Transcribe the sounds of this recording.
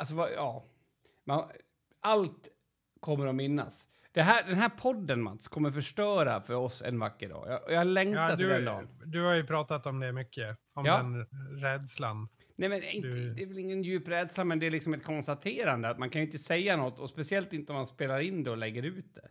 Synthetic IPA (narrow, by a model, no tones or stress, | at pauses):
als̬ɔvaɑː | man | alt̪ | kʰɔmːəɾɔmɪnːa̰s | d̪̥ɛɦæɖɛnɦæːɾpʰɔd̪ːənma̰t̪skʰɔmːəɾfœʂʈœːɾafœɾɔsɛ̰nvakːəɖɑ̰ːjɑ̰ɔjɑhalɛŋkt̪at̪d̪ɛnd̪ɑ̰ːnd̪ɵhajɵpʰɾɑːt̪at̪ɔmd̪ɛmʏkʰːə | ɔmɑd̪ɛnɾɛːd̪slan | nɛmɛnɪnd̪ɛːvɛlɪŋːənjʉːpɾɛːd̪slamɛnd̪ɛːɾɭɪksɔmɛt̪̚kʰɔnst̪at̪ʰeːɾand̪əat̪mankʰanjʏɪnt̪əsɛjːanɔt̪ːɔspɛsɪɛlt̪ɪnt̪əɔmanspeːlaɾɪnd̪ɛɔlɛɡːəɾʉ̟ːt̪̚d̪ɛ̰